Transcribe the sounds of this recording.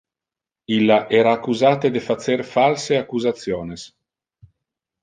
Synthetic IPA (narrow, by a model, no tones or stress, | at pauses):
ilːaʔɛːɾaːkːuzaːt̪ed̪efat̪seɾfalseakːuzat̪sjoːnes